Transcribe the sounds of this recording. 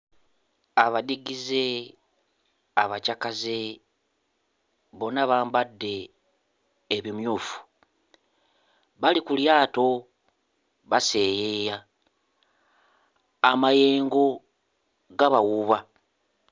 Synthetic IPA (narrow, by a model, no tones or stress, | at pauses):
aβadiɡize̞ | aβacakaze̞ | βo̞naβaːmbadːe̞ | βimjuːfu̥ | βalikuljaːto̞ | βase̞jeja | maje̞ːŋɡo̞ | ɡaβawuβa